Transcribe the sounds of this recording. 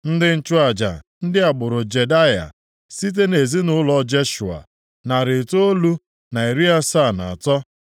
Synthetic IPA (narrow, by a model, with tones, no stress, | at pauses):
n̩˦dɪ˦n̩˦t͡ʃʊ˦a˨d͡ʒa̰˨n̩˦dɪ˦a˨ɡ͡bʊ˨ɾʊ˨d͡ʒe˨da˦ja̰˨ | si˦t̬e˦ne˨zi˦nʊ˦lɔ˦d͡ʒe˦ʃu˨a̰˨ | na˨ɾɪ˨to˦o˦lu˦ | na˨i˨ɾi˦a˦sa˦˨na̰˨a˨tɔ˦